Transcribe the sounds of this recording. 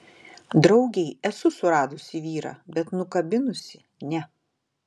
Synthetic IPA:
d̪ɾɒʊɡʲɛɪɛsʊsʊɾɑːd̪ʊsʲɪʋʲiːɾɑ̰ːbʲɛt̪nʊkɐbʲɪnʊsʲɪ | nʲɛ

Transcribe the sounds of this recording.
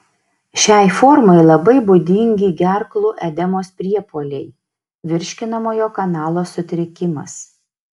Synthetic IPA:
ʃʲæˑɪfɔɾmɐɪlˠɐbɐɪbʊd̪ʲɪŋʲɡʲiːɡʲæɾklˠʊʔɛd̪ʲɛmoːspʲɾʲiɛpoːlʲɛɪ | ʋʲɪɾʲʃʲkʲɪnɐmoːjoːkɐnɑːlˠoːsʊt̪ʲɾʲɪkʲɪmɐ̰s

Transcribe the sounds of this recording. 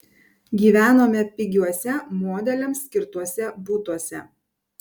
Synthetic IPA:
ɡʲiːʋʲæːnoːmʲɛpʲɪɡʲuɔsʲɛmoːd̪ʲɛlʲɛmsːʲkʲɪɾt̪uɔsʲɛbuːt̪uɔsʲɛ̰

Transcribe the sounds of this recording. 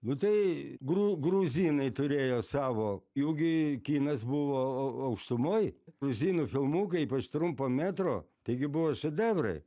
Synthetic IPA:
nʊt̪ɐɪɡɾuːɡɾuːzʲiːnɐɪt̪ʊɾʲeːjoːsɑːʋoːjuːɡʲɪkʲiːnɐsbʊʋoːɐʊkʃt̪ʊmoːjɾuzʲiːnufʲɪlˠmuːkɐɪiːpɐt͡ʃt̪ɾʊmpoːmʲæːt̪ɾoːt̪ɐɪɡʲɪbʊʋoːʃʲɛd̪ʲæːbrɐ̰ɪ

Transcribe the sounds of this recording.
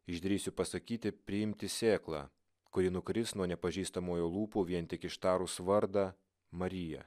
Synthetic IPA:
ɪʒd̪ʲɾʲiːsʲʊpɐsɐkʲiːt̪ʲɪpʲɾʲɪɪmʲt̪ʲɪsʲeːklˠɑ̰ː | kʊɾʲiːnʊkɾʲɪsnuɔnʲɛpɐʒʲiːst̪ɐmoːjoːlˠuːpoːʋʲiɛnʲt̪ʲɪkɪʃt̪ɑːɾusʋɐɾd̪ɑ | mɐɾʲɪjɛ̰

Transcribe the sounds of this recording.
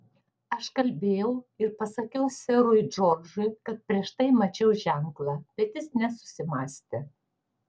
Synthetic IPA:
ɐʃkɐlʲbʲeːjɛʊɪɾpɐsɐkʲɛʊsʲɛɾʊɪd͡ʒɔːɾd͡ʒʊɪkɐt̪̚pʲɾʲiɛʃt̪ɐɪmɐt͡ʃʲɛʊʒʲæŋklˠɑːb̥ʲɛt̪jɪsnʲɛsʊ̥sʲɪmɑːsʲt̪ʲɛ

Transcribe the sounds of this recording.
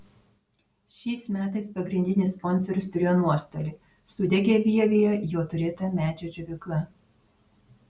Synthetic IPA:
ʃʲɛɪsmʲæːt̪ɐɪspɐɡɾʲɪnʲd̪ʲɪnʲɪsspɔnʲsɔɾʲʊst̪ʊɾʲeːjoːnuɔst̪oːlʲɪː | sʊd̪ʲɛɡʲeːʋʲiɛʋʲejojoːt̪ʊɾʲɪt̪ɐmʲæːd͡ʒʲoːd͡ʒʲʊʋʲɪklˠɐ

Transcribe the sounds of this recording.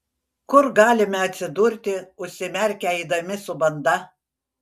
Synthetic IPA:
kʊɾɡɑːlʲɪmʲɛɐt̪ʲsʲɪd̪ʊɾʲt̪ʲɪʊʃʲsʲɪmʲɛɾʲkʲɛid̪ɐmʲɪsʊbɐnd̪ɐ

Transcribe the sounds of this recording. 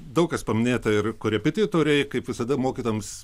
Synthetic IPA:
d̪ɐʊkɐspɐmʲɪnʲeːt̪ɐɪrkʊɾʲɛpʲɪt̪ʲɪjt̪oːɾʲɛɪkɐɪpʋʲɪsɐd̪ɐmoːkʲiːt̪oːjɛms

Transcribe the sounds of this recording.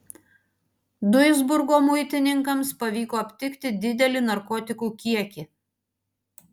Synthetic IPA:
d̪ʊɪzbʊɾɡoːmʊɪt̪ʲɪnʲɪŋkɐmspɐʋʲiːkoːɐpʲt̪ʲɪkʲt̪ʲɪd̪ʲɪd̪ʲɛlʲɪnɐɾkoːt̪ʲɪkuːkʲiɛkʲɪ

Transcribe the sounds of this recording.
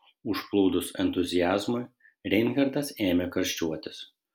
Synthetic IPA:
ʊʃplˠuːd̪ʊsɛnt̪ʊzʲɪjæːzmʊɪ | ɾʲɛɪnɣʲɛɾd̪ɐseːmʲɛkɐɾʲʃʲt͡ʃʲuɔt̪ʲɪs

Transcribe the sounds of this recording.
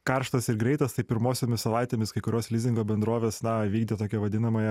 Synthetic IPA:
kɐɾʃt̪ɐsɪɾɡɾʲɛɪt̪ɐst̪ɐɪpʲɪɾmoːsʲoːmʲɪssɐʋɑɪt̪ʲeːmʲɪskɐɪkʊɾʲoːslʲɪzʲɪŋɡoːbʲɛnd̪ɾoːʋʲeːsnɐʋʲiːɡd̪ʲet̪oːkʲɛʋɐd̪ʲɪnɐmɐjɛ

